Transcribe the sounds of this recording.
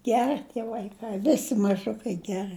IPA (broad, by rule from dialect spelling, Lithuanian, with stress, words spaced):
ˈɡʲæːrɨ tʲiɛ ʋɐɪˈkɐɪ ˈʋʲɪsʲɪ mɐˈʒʊkɐɪ ˈɡʲæːrɨ